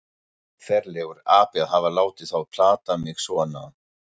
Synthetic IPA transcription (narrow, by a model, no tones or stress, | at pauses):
fɛɾlɛɣʏɾaːpɛðhavalaːwt̪ɪð̥θawpʰl̥aːt̪amɪɣsɔana